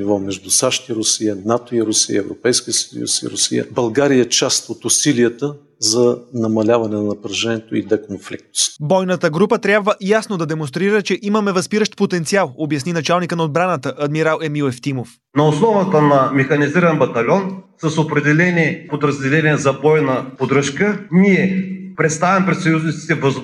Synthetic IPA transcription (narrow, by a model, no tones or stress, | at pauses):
ivɔmɛʒd̪usaʃt̪iɾʊsiənat̪oiɾʊsiə̰ɛvɾopɛjskʲiəsəjṵsḭɾʊ̰sḭjə̰bɐlˠɡaɾijət͡ʃast̪ot̪ʊsiliət̪ə | zɐnɐmɐlʲavɐnɛnɐnɐpɾɐʒɛniɛt̪oid̪ɛkonflḭk̚t̪o̥st̪bɔjnət̪əɡɾupət̪ɾʲabvəʔjasnod̪ɐd̪ɛmõnst̪ɾiɾət͡ʃɛʔimɐmɛvɐspiɾəʃt̪̚pot̪ɛnt̪sialˠobjɐsninɐt͡ʃalˠnikənɐod̪̚bɾanət̪əʔɐd̪miɾalˠɛmilˠɛft̪imof | nɐosnˠɔvət̪ənɐmɛxɐniziɾɐnbɐt̪ɐlʲɔnsɐsopɾɛd̪ɛlɛniɛpod̪ɾɐzd̪ɛlɛniɛzɐbɔjnɐpod̪ɾəʃkəniɛpɾɛt̪st̪avɛmpɾɛt̪sɐjuznit̪i̥t̪ɛvəz